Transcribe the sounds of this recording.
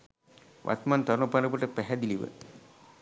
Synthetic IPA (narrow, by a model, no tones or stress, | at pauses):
ʋʔa̰t̪mant̪aɾunəpaləp̬əʈəpæɦɛd̪iliʋə̰